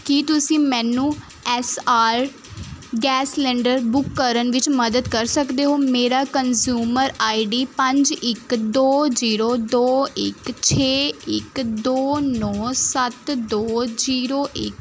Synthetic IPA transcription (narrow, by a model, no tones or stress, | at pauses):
kit̪ʊsĩːmɛ̃ːnũː | ɛːsaːɾ | ɡɛːslɛ̃ːɳɖəɾbʊkːəɾənʋɪt͡ʃməd̪əd̪kəɾsəkd̪eːɦoːmeːɾaːkənzjuːməɾaːiɖiːpə̃ɲd͡ʒɪkd̪oːziːɾoːd̪oːɪkt͡ʃʰeːɪkd̪oːnɔːsət̪d̪oːziːɾoːʔɪ̰k